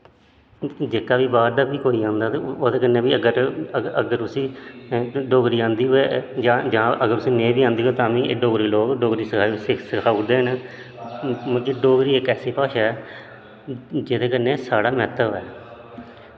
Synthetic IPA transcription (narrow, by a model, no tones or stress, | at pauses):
d͡ʒeːkaːʋiːbaːɾd̪aːbiːkoːiːãːnd̪aːt̪eoːd̪eːkənːẽːʋiːəɡəɾəəɡəɾʊsĩː | ɖoːɡɾiːãːnd̪iːɦoeːd͡ʒãːd͡ʒãːəɡəɾʊsĩːnẽːbiːãːnd̪iːɦoeːt̪ãːʋĩːeːɖoːɡɾiːloːkɖoːɡɾiːsəkʰaːisksəkʰaːʊd̪eːɦən | məeːɖoːɡɾiːekɛːseːpaːʃaːɛː | d͡ʒeːd̪eːkəneːsaːɽaːmɛːt̪əʋɛː